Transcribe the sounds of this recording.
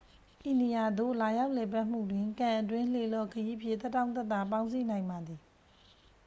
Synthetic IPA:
ʔi˨ne˨ja˨d̪o̰˦˨la˨ja˦ʊʔlɛ˨pa˦ʔm̥ṵ˦˨dwɪ̃˨ŋkã˨ʔətwɪ̃˦˨l̥e˨lɔ˦˨kʰəji˦pʰjɪ˦ʔt̪ɛ˦tːã˦ʊ̃nt̪ɛ˦t̪ːa˨pã˦ʊ̃nsi˦˨nã˨ɪ̃mba˨d̪ði˨

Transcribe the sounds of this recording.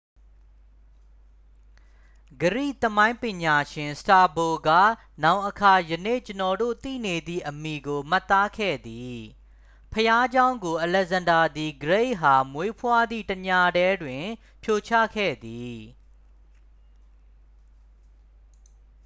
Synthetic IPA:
ɡəɹḭ˦˨t̪əmã˦ɪ̃mpɪ̃˨ɲa˨ʃɪ̃˨nsta˨bo˨ɡa̰˦˨ | nã˦˨ʊ̃ʔəkʰa˨jənḛ˦˨t͡ɕənɔ˨do̰˦˨t̪ḭ˦˨ne˨d̪ḭ˦˨ʔəmi˨ɡo˨m̥a˦˨t̪ːa˦kʰɛ̰˦˨d̪i˨ | pʰəja˦d͡ʑã˦ʊ̃ŋɡo˨ʔəlɛ˨zã˨nda˨d̪i˨ɡəɹe˦˨ɦa˨mwe˦pʰwa˦d̪ḭ˦˨təɲa˦˨ɾɛ˦dwɪ̃˨ | pʰjo˨t͡ɕʰä̰˦˨kʰɛ̰˦˨d̪i˨

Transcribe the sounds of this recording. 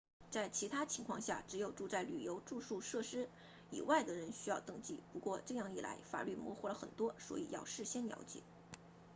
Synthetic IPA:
t͡sa˥˩ɪt͡ɕʰi˧˥t̪ʰa˥t͡ɕʰi˧˥ŋkʰwɑ˥˧ŋɕja̰˥˩ʈ͡ʂɻ̩˧˥jo˨˩ʊʈ͡ʂu˥˧t͡sa˥˩ɪly˨˩jo˧˥ʊʈ͡ʂu˥˧ʂu˥˧ʂɤ˥˩ʂɻ̩˥ | ḭ˨˩wa˥˩ɪd̪ə˩ɻə˧˥nɕy˥jɑ˥˧ʊt̪ɤ˥˧ŋt͡ɕi˥˩pu˧˥kwɔ˥˧ʈ͡ʂɤ˥˧jɑ˥˧˩ŋi˥˩la̰˧˥ɪfa̰˨˩ly˥˩mwɔ̰˧˥xu˧˥lə˨xə̰˨˩nt̪wɔ˥swɔ̰˧˥i˨˩jɑ̰˥˧ʊʂɻ̩˥˩ɕjɛ˥nljɑ̰˧˥ʊt͡ɕjɛ̰˨˩˦

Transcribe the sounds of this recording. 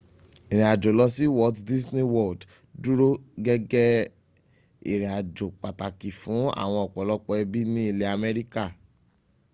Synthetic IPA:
e˨ɾ̃ẽ˨a˨d͡ʒo˨lɔ˧si˦wɔ˦tdi˦sne˦wɔ˦˨d | du˦ɾo˦ɡɛ˦ɡɛ˦ | i˨ɾ̃ẽ˨a˨d͡ʒo˨k͡pa˨ta˨ki˨fũ˨˦a̰˦˨w̃ɔ̃˧ɔ˨k͡pɔ˨˦lɔ˦k͡pɔ˧ɛ˧bi˦nĩ˦i˦˨le˦a˨mɛ˦ɾi˦ka˦˨

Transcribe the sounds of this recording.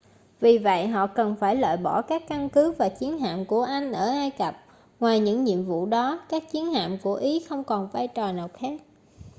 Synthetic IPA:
vi˨˩və̰˧˨jɦɔ̰˧˨kə˨˩nfaː˧˩jlwa̰ː˧˨jɓɔ˧˩kaː˦˥kːa˧nkɨ˨˦vaː˨˩t͡ɕi˨˦ənɦa̰ː˧˨mku˧˩əʔa˧jŋ̟ʔəː˧˩ʔaː˧jkə˨˩p̚ | ŋwaː˨˩jɲɨ̰˧˥ŋɲḭ˧˨əmvṵ˧˨ɗɔ˨˦kaː˦˥k̚t͡ɕi˨˦ənha̰ː˧˨mku˧˩əʔi˨˦xə˧wŋ͡mkɔ˨˩nvaː˧jt͡ɕɔ˨˩naː˨˩wxaː˦˥k̚

